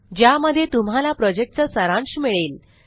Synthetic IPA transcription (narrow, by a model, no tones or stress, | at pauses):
d͡ʑjaməd̪ʱjet̪um̤alapɾɔd͡ʑek̚ʈ̚t͡səsəɾãɳɕmiɭeːl